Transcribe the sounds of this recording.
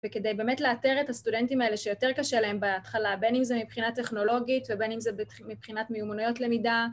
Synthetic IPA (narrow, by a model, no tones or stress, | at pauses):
vekedejbe̞ːmetleateʁetastudentimaele̞ʃejo̞te̞ʁkaʃelae̞mbeat̪χalabenimzemipχinate̞χno̞lo̞ɡitvebe̞nimzeb | mipχinatmeumonujo̞tle̞mida